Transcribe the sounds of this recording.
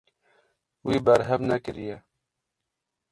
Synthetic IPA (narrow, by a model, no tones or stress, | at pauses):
wiːbɛɾɦɛvnɛkɨɾḭjɛ